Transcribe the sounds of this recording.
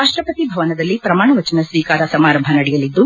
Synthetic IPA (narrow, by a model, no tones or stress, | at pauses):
aːʂʈɾɐpɐt̪ibʱɐʋɐnɐd̪ɐlːipɾɐmaːɳɐʋɐt͡ʃɐnɐsʋiːkaːɾɐsɐmaːɾɐmbʱɐnɐɽɛjɐlːid̪ːu